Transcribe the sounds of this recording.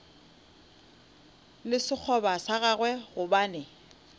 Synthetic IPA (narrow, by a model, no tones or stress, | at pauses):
lɪsɪk͡xʰɔbasaɣaɣwɛɣʊbaːnɛ